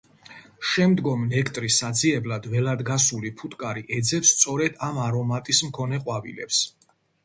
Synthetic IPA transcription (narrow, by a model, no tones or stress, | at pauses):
ʃɛmd̪ɡɔmnɛkʰt̪ʼɾisad̪ziɛblad̪vɛlad̪ɡasulipʰut̪ʼkʼaɾiʔɛd̪zɛpst̪sʼɔɾɛd̪amaɾɔmat̪ʼismkʰɔnɛqʼwavḭlɛ̰ps